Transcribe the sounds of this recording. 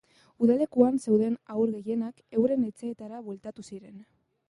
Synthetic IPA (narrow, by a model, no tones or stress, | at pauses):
uðale̞kuanse̞wðe̞nawɾɣe̞je̞nake̞wɾe̞net͡seːt̪aɾaβwe̞lt̪at̪usiɾe̞n